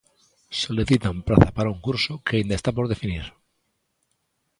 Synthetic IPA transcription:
so̞liθit̪ampɾaθapaɾauŋkuɾsokeaind̪aest̪apo̞ɾðe̞finiɾ

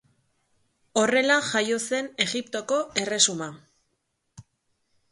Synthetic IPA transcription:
o̞re̞laʝajo̞se̞ne̞ɣipt̪o̞ko̞e̞re̞suma

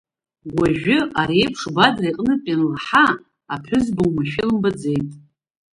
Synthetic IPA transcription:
ɡʷaʒᶣʊaɾejpʰʂbadrajqʼnɨpʲʼenlħa | apʰʊzbɨwmaʃᶣɪlɨmbad͡ze̞jtʼ

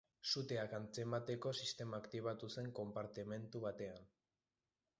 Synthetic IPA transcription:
sut̪e̞akant͡se̞mat̪e̞ko̞sist̪e̞maːkt̪iβ̞at̪use̞ŋko̞mpaɾt̪ime̞nt̪uβ̞at̪e̞an

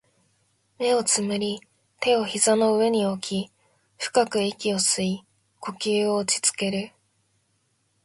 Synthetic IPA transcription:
me̞o̞t͡sɨmɯ̟ɾʲi | t̪e̞o̞çizano̞ɯ̟e̞ɲ̟io̞kʲi | ɸɯ̟̥kakɯ̟ekʲio̞sɨi | ko̞kʲɨːo̞ːt͡ɕi̥t͡sɨ̥ke̞ɾɯ̟

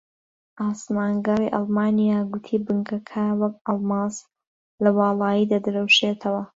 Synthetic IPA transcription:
ʔɑːsmaːŋɡɑrḭʔɑ̰lˠmɑːnijaːɡʊt̪ʰiːbɨŋkɐkʰɐwɐk̚ɑlˠmɑːs | lɐwɑːlˠɑːjid̪ad̪ɨɾɐwʃeːt̪ʰɐwɐ

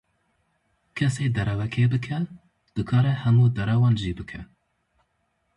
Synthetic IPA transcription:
kʰɛseːd̪ɛɾɛwɛkʰeːbɨkʰɛ | d̪̥ɨkʰɑːɾɛhɛmuːd̪ɛɾɛwɑːnʒiːbɨkʰɛ

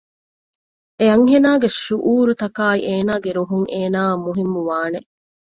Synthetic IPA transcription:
eɐŋɦenaːɡeʃuʔuːɾut̪ɐkaːiʔeːnaːɡeɾuɦuŋeːnaːmuɦimːuʋaːne

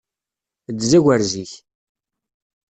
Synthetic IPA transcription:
d̪zæɡʷəɾziç

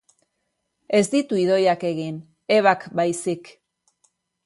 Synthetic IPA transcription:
e̞zd̪it̪uiðo̞jake̞ɣin | e̞βakbajsik

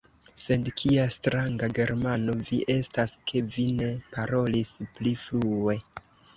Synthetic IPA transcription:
se̞dkʰiastɾaŋɡaɡe̞ɾmano̞viʔe̞staske̞vine̞paɾo̞lispliflue̞

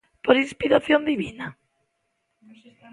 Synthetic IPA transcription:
poɾinspiɾaθjond̪iβina

